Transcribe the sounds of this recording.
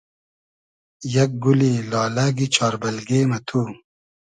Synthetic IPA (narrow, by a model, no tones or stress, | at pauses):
jɐk̚ɡulilɑːlaɡit͡ɕʰɑːɾbɐlɡeːmɐt̪ʰuː